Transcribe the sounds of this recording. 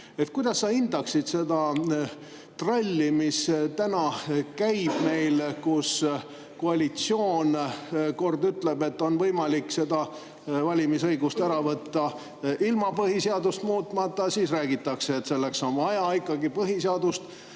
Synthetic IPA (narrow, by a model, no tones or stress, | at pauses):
e̞t̪̚kujd̪̥ɑsːɑind̪̥ɑksid̪̥se̞d̪ɑ | t̪rɑlʲːimist̪ænɑkæjb̥me̞jlkus | koɑlʲit̪sioːnko̞rd̪yt̪le̞b̥e̞t̪ːo̞nvɤjmɑlikse̞d̪ɑ | vɑlʲimisɤjɡust̪æɾɑvɤt̪ːɑ | ʔilmɑpɤɦiseɑd̪ust̪muːt̪ˑmɑt̪ˑːɑsiːsræːɡit̪ːˑɑkse̞ːt̪se̞lːe̞ksonɑjɑikːˑɑɡipɤɦiseɑd̪ust̪